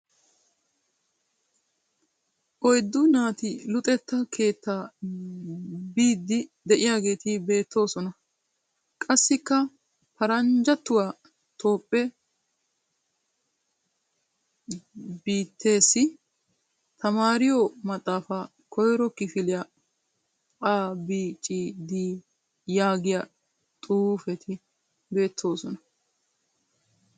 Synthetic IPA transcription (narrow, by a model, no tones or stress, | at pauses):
ʔɔjd̪ːʊnaːt̪ɪlʊt̪ʼɛt̪ːɐkʰe̞ːt̪ʰːaː | biːd̪ːɪd̪ɛʔɪjaːɡe̞ːt̪ɪbe̞ːt̪ːo̞ːsɔnɐ | kʼɐsːɪkːɐ | pɐɾɐnd͡ʒɐt̪ːʊwaː | t̪ʰo̞ːpʼːɛ | biːt̪ʰːe̞ːsːɪ | t̪ʰɐmaːɾɪjomɐt̪ʼːaːfa | kʰɔjɾɔkɪfɪlɪjɐ | qʼaːbiːt͡ʃʼid̪iː | jaːɡɪjɐ | t̪ʼuːfɛt̪ʰɪ | be̞ːt̪ʰːo̞ːsɔnɐ